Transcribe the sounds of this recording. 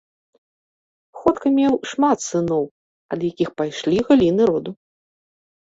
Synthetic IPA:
xɔt̪kɐmʲɛwʂmat̪sɨnɔw | ɐd̪jakʲixpajʂlʲiɣalʲinɨɾɔd̪u

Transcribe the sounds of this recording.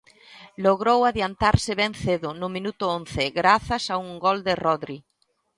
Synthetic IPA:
loɣɾowaðjant̪aɾsɪβɛnθeðʊnʊmĩnut̪ʊonθɪɣɾaθɐsauŋɡɔld̪ɪrɔðɾi

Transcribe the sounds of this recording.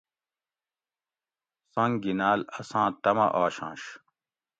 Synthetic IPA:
sɐ̃ŋɡinaːlɐsãːt̪ɐmɐ̰ʔaːɕãːɕ

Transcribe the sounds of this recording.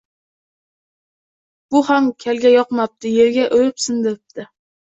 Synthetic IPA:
b̥ʊhamkʲʰalɡʲajɒqmap̚t̪ʰɪjeɾɡʲaʔɵjɪpsɪnd̪eɾɪp̚t̪ʰɪ

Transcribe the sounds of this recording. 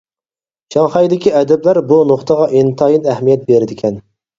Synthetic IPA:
ʃɑŋχɑjd̪ɪkʲiɛd̪ɛblæɾbunoχt̪əʁɑʔint̪ʰɑjinɛhmijɛt̪̚beɾɪd̪ɪkʲʰɛn

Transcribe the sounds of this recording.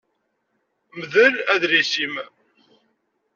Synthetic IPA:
mðəɾæðɾisim

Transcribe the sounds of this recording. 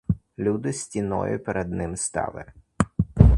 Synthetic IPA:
lʲud̪ɪsʲtʲinɔ̰jʊpɛɾʔɛd̪̚nɪmst̪ɑ̰lˠɪ̰

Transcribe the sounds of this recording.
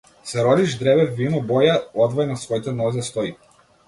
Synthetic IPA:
sɛɾɔd̪iʒd̪ɾɛbɛvːinɔbɔjaɔd̪vɔjnasvɔjt̪ɛnɔzɛst̪ɔj

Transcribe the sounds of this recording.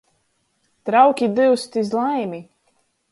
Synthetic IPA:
t̪ɾawkʲid̪ɨwst̪izlˠajmʲi

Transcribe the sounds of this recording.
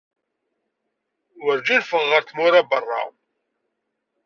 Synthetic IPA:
wəɾd͡ʒinfəʁːəɾθmʊɾæbərˤːɑ̰

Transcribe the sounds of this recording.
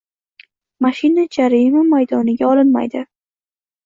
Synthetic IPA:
maʃɪnad͡ʒaɾɪmamajd̪ɒnɪɡʲaɒlɪnma̰jd̪ɪ

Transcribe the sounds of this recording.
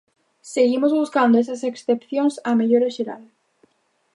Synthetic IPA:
seɣimozβuskand̪oes̬aseksθepθjoŋsameʎoɾesʃeɾa̰l

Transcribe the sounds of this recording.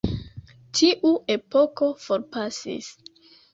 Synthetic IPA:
tʰiʔue̞po̞ko̞fo̞ɾpasḭs

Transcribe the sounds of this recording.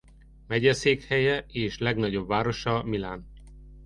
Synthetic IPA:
mɛɟɛseːkhɛjɛeːʃlɛɡnɒɟo̞bvaːɾo̞ʃɒmilaːn

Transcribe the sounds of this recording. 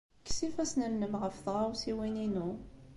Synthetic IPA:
kːsifæsnəmnəmʁəfθʁawsiwininu

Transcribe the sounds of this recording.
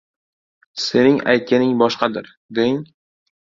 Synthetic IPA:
se̞nɪŋa̰jt̪̚kʲanɪŋbɒʃqɑd̪ɪɾ | d̪eɪŋ

